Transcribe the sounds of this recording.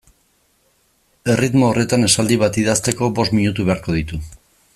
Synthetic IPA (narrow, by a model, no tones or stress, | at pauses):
e̞rit̪moːre̞t̪ane̞sald̪iβ̞at̪iðast̪e̞ko̞bo̞st̪miɲut̪uβeaɾko̞ðit̪u